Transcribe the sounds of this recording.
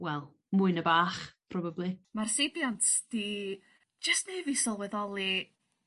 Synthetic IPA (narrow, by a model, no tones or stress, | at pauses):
wɛlˠ | mʊɨnəbaːχpʰrɔbablˠimarsebjɔntd̥i̥ | d͡ʒəstnejvɪsɔlˠwɛðɔlˠi